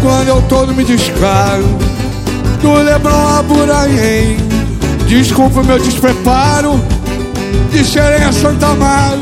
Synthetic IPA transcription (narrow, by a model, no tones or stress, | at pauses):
kwɐ̃nd̪ʊewt̪od̪ʊmɪd͡ʒiʃpaɾʊ | d̪ʊlebɾõw̃abuɾaɲej | d͡ʒiskuwpɪʊmewd͡ʒɪspɾepaɾʊ | d͡ʒɪseɾẽj̃asɐ̃nt̪amad̪